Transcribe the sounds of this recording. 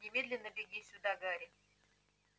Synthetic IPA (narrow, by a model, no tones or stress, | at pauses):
nʲɪmʲed̪lʲɪnːəbʲɪɡʲisʲʊd̪aɡaɾʲɪ